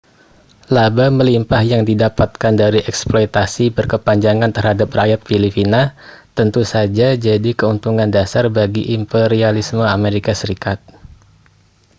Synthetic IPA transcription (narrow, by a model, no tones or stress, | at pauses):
labaməlimpahjaŋdidapat̪̚kandaɾiʔɛksplɔjt̪asibərkəpaɲd͡ʒaŋant̪ərhadaprajat̪̚filipina | t̪ənt̪usad͡ʒad͡ʒadikəunt̪uŋandasarbaɡiʔimpeɾialisməameɾikasəɾikat̪̚